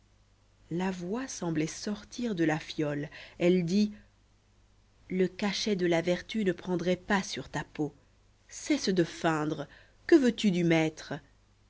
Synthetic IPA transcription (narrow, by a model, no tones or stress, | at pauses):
lavwasɑ̃blɛsɔʁt̪ʰiʁd̪əlafjɔlɛld̪i | ləkaʃɛd̪əlavɛʁt̪ynəpχɑ̃d̪ʁɛpasyʁt̪apo | sɛsd̪əfɛ̃d̪ʁə | kəvøt̪yd̪ymɛt̪χə